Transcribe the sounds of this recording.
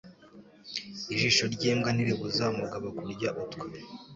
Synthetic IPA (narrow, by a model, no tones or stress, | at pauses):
iʒiʃoɾɟeːmɡaniɾiβuzamuɡaβokuɾɟaʔutkwe